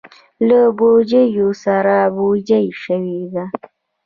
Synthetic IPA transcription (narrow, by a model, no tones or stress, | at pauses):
labod͡ʒajosaɾabod͡ʒajʃəwid̪a